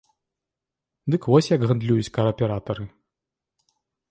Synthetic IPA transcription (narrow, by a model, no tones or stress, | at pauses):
d̪ɨkvɔsʲjɐɡɣɐnd̪lʲujut͡sʲkɐɾɐpʲɛɾat̪ɐɾɨ